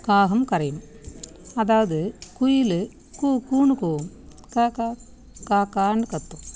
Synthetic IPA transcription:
kaːɦɐmkɐɾɐjɐm | ɐðaːʋɐðɨkujilɨ | kukuːɳukoːm | kaka | kaːkaːɳɖɨkɐt̪ːum

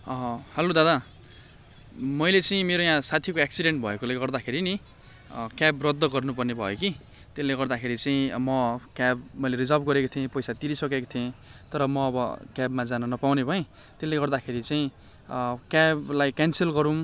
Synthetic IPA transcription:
hʌlod̪ad̪a | mʌjlet͡saĩmeɾojãsat̪ʰikoaksiɖeɳʈ̚bʱʌekoleɡʌrd̪akʰeɾini | kjabrʌd̪ːʌɡʌrnupʌrnebʱʌ̰joki | t̪elːeɡʌrd̪akʰeɾit͡saĩmʌkabmʌjleɾid͡zʌlbɡʌɾekot̪ʰiẽpʌjsat̪iɾisʌkeko̥t̪ʰiẽt̪ʌɾʌmʌːbʌkjabmad͡zanʌnʌpawnebʱʌẽ | t̪elːeɡʌrd̪akʰeɾit͡saĩ | kablajkansilɡʌɾũm

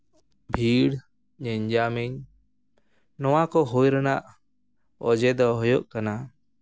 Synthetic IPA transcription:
bʱiɽ | ɲɛɲd͡ʒamiɲ | nɔwakɔɦujɾanaʔ | ɔd͡ʒɛd̪ɔɦɔjɔʔkana

